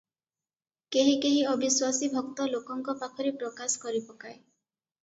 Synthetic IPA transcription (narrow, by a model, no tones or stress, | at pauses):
keɦikeɦiɔbiswasibʱɔkt̪ɔlokɔŋkɔpakʰɔɾipɾɔkasɔ̥kɔɾipɔkae